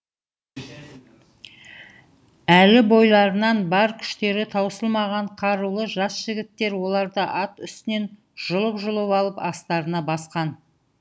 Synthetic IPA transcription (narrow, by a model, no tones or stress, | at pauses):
ælɪbo̞jlˠɑɾənɑnbɑɾkʲʰʏ̥ʃt̪e̞ɾɪt̪ʰɑwsəlˠmɑʁɑɴqʰɑɾulˠəʒɑsʒ̥ɪɡʲɪt̪ːe̞ɾwo̞lˠɑɾd̪əʔɑt̪ʏst̪ɪne̞n | ʒ̥ʊlˠəpʒʊlˠəpɑlˠəpɑst̪ɑɾənɑbɑsqɑn